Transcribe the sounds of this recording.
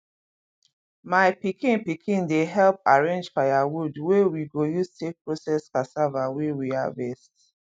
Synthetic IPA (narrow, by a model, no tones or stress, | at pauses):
maɪpikĩnpikʰĩndeɦɛlp̚aɹẽnd͡ʒfajawudwewiɡojustek̚pɹosɛskasavawewia̰vɛst